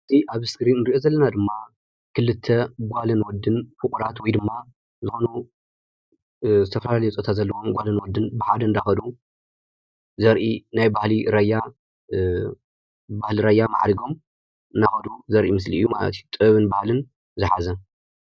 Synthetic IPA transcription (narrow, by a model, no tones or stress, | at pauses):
ʔɨt̪ʰiʔaβɨskɾinnɨɾiʔo̞zɐlːɐnad̪ɨmːa | kʰɨlːɨt̪ʰːɐɡʷalɐnwɔd̪ːɨnfɨkʼuɾat̪wɔjd̪ɨmːa | zɨxo̞nu | zɨt̪ʰɐfɐlalɐjut͡sʼot̪ʰatzɐlːɐwomɡʷalɐnwɔd̪ːɨnbɨħad̪ɐnd̪axɐd̪u | zɐɾʔinajbahliɾɐjːa | bahliɾajːama̰ʕɾiɡo̞m | ɨnd̪axɐd̪uzɐɾʔimɨs̬liɨjːuma̰lɐ̰t̪jut̪ʼɨβɨnbahlɨn | zɨħa̰zɐ